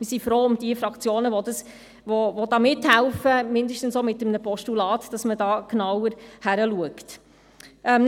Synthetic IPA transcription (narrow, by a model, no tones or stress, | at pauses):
mɪsifɾoːʊmd̥iəfɾɑkt͡sjoːnəʋɔdɑs | ʋovod̥ɑːmɪthɛlfəmɪndəʃtən̩somɪtːəmnəpɔʃtulɑːtd̥ɑsmədɑːknɑwəɾhæɾəluəkt | ʔɛm